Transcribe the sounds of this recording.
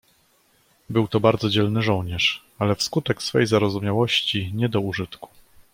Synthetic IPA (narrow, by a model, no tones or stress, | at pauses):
bɘwt̪ɔbaɾd̪zɔd͡ʑɛlnɘʐɔwɲɛʂ | alɛfskut̪ɛksfɛ̰jzaɾɔzumʲjawɔɕt͡ɕiɲɛd̪ɔuʐɘt̪ku̥